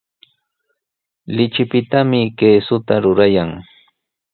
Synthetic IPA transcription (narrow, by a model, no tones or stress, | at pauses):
lɪt͡ʃɪpɪt̪amɪkeːsʊt̪aɾʊɾajaŋ